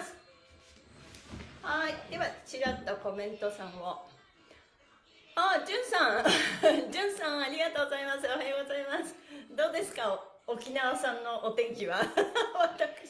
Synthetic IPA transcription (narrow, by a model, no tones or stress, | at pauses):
sɨ̥ | haid̪e̞βat͡ɕiɾat̪ːako̞mẽ̞nt̪o̞sãɰ̃βo | ad͡ʑɨ̃ɰ̃sãɰ̃ | d͡ʑɨ̃ɰ̃sãɰ̃aɾʲiɡat̪o̞ːɡozaimasɨohajoɡo̞zaimasɨ̥d̪o̞ːd̪e̞sɨ̥ka | okʲinaβasãnːo̞ʔot̪ẽ̞ŋkʲiβaβat̪akɯ̥